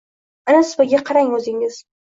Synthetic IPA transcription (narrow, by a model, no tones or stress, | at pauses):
manasbaɡʲaqʰɑɾaŋɵzɪŋɪz̥